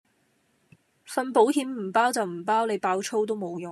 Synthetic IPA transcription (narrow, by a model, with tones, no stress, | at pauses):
fɐ˧npo˨˥whiː˨˥mm̩˨˩paː˥wt͡sɐ˨wm̩˨˩paː˥wne˨˧jpaː˧wt͡ʃʰo˥wt̪̬o˥wmo˨˧wjʊ˨